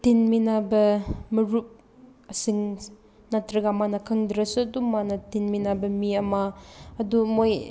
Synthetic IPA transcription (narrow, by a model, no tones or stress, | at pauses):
tinminabɐmɐɾup̚ | ɐsiŋ | natɾɐɡamanɐkʰɐŋdɾɐsudumanɐtinminabɐmiɐmaɐdumoj